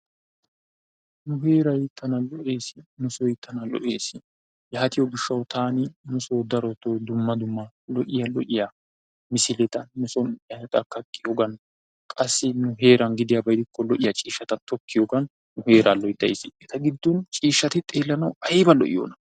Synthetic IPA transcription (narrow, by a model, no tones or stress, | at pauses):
nʊhe̞ːɾɐjɪt̪ːɐnɐlɔʔeːsɪnʊsɔjɪt̪ːɐnɐlɔ̰ʔeːsɪ | jaːt̪ɪjɔɡɪʃːɐwt̪ʰaːnɪnʊsoːd̪ɐɾɔt̪od̪ʊmːɐd̪ʊmːɐ | lɔʔɪjɐlɔʔɪjɐ | mɪsɪlɛt̪ɐnʊsɔnjjɐɛt̪ʼɐkːɐkʼːɪjoɡɐn | kʼɐsːɪnʊɦe̞ːɾɐnɡɪd̪ɪjɐbɐjd̪ɪkːɔlɔʔɪjɐt͡ʃʼiːʃːɐt̪ɐt̪ʰɔkːɪjoɡɐnː | ʊhe̞ːɾʔalɔjd̪ːɐjsɪɛt̪ɐɡɪd̪ːɔnt͡ʃʼiːʃːɐt̪ɪt̪ʼeːlːɐnɐwɐjbɐlɔ̰ʔɪ̰jo̰ːnɐ